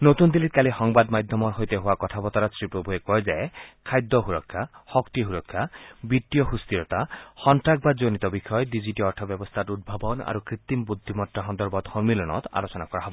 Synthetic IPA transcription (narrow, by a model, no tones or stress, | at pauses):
not̪und̪ilit̪̚kalixɔŋbad̪majd̪ʱjɔmɔɾɦojt̪eɦowakɔt̪ʰapɔt̪aɾɔsɹipɾobʱuekɔjzaekʰajd̪ːɔɦuɾɔkʰːahɔkt̪iɦuɾɔkʰːabit̪ːijɔɦust̪iɾɔt̪axɔntɾak̚ʰbad͡ʒonit̪ɔbikʰɔjɔdid͡ʑiʈiɔɾʈʰɔbjɔbɔst̪ʰatud̪̚bʱabɔna̰ɾukɾit̪ːimbud̪ʱːimɔtɾaɦɔnd̪ɔɾbɔd̪hɔmilɔnɔ̰t̪a̰losɔnakɔɾaɦɔbɔ